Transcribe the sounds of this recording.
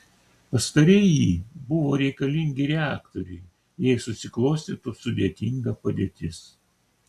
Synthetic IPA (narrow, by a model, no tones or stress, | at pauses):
pɐst̪ɐɾʲɛjiːbʊʋoːɾʲɛɪkɐlʲɪŋʲɡʲɪɾʲɛæːkt̪oɾʲɛɪ | jɛɪsʊsʲɪklˠoːsʲt̪ʲeːt̪ʊsʊd̪ʲeɛt̪ʲɪŋɡɐpɐd̪ʲeːt̪ʲɪs